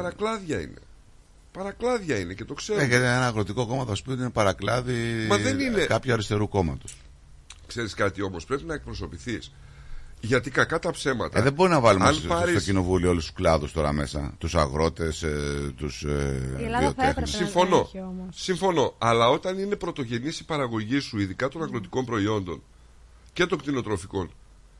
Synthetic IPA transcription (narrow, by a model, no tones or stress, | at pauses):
ɐɾɐklɐðʝɐḭnḛ | pɐɾɐklɐðʝɐinecet̪o̞kseɾeʝɐt̪ienɐːɣɾo̞t̪iko̞ko̞mɐðospioinepɐɾɐklɐðimɐðeninekɐpçuɐɾist̪e̞ɾuko̞mɐt̪u̥s | kseɾiskɐt̪io̞mospɾepinɐek̚pɾo̞so̞piθis | ʝɐt̪ikɐkɐt̪ɐpse̞mɐt̪ðebo̞ɾinɐvɐlumnpɐɾit̪ocino̞vulioolust̪u̥klɐðust̪o̞ɾɐ̰me̞sɐ̰t̪usɐ̰ɣɾo̞t̪e̞st̪us | ðiot̪exnusiɱfo̞no̞siɱfo̞no̞ɐlɐo̞t̪ɐnine̞pɾo̞t̪o̞ʝe̞niesipɐɾɐɣo̞ʝisuiðikɐt̪o̞nɐŋɣɾo̞t̪i̥ko̞mpɾo̞io̞nd̪o̞n | ce̞t̪o̞ŋkt̪ino̞t̪ɾo̞fiko̞n